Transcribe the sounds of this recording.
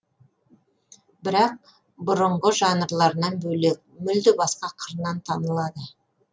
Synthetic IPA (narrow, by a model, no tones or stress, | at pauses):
bɪɾɑq̚ | bʊɾəɴʁəʒɑnəɾlˠɑɾənɑnbɵlek̚mʏld̪ɪbɑsqɑqʰəɾnɑnt̪ʰɑnəlˠɑd̪ə